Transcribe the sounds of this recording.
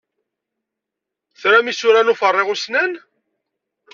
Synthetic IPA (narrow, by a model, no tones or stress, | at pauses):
θɾæmisʊɾænufərˤːɪʁusnæn